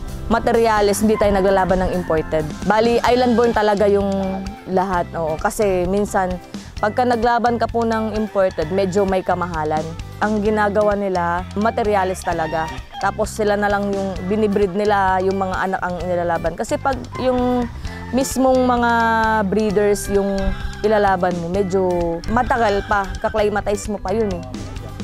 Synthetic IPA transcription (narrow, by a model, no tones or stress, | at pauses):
mɐt̪ɛɾɪjaːlɪshɪnd̪it̪aːjonɐɡ̚lalaːbɐnːɐŋɪmpoɹt̪ɛd̪̚baːliʔajlɐnd̪boɹnt̪ɐlɐɡajʊŋlɐɦat̪̚ʔoːʔokɐsɛminsɐnpɐɡ̚kɐnɐɡlaːbɐnkɐpʊnɐŋɪmpoɹt̪ɛd̪̚mɛːd͡ʒo̞mɐjkɐmɐɦaːlɐnʔɐŋɡɪnaːɡɐwanɪlamɐt̪ɛɾjaːlɪst̪ɐlɐɡat̪aːpo̞sːɪlanɐlaŋjʊŋbɪnɪbɾɪd̪̚nɪlajʊŋmɐŋa̰ʔɐnakɐŋɪnɪlaːlaːbɐnkɐsɛpɐɡ̚jʊŋ | mismoŋmɐŋabɾiːd̪ɛɹsjʊŋʔɪlalaːbɐnmomɛːd͡ʒomɐt̪ɐɡalpɐkɐklɐjmɐt̪ajsmopɐjonɛ